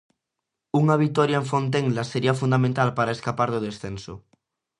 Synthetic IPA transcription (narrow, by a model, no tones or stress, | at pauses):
uŋaβ̞it̪ɔɾjaeɱfont̪̬eŋlaseɾiafund̪amẽnt̪alpaɾaeskapaɾðoð̞esθenso